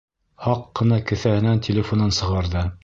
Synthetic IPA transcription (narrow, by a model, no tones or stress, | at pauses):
hɑqːɤ̆nɑkɵ̆θæhɘ̆næntʲɪlʲɪfonɤnsɤ̆ʁɑɾðɤ